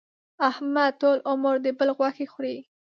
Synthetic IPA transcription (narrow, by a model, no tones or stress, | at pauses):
ahmad̪̚t̪olʔʊməɾd̪əbəlɣwaxexɾi